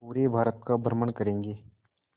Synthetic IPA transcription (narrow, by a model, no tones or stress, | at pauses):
puːɾebʱaːɾət̪̚kabʱəɾməɳkəɾẽːŋɡeː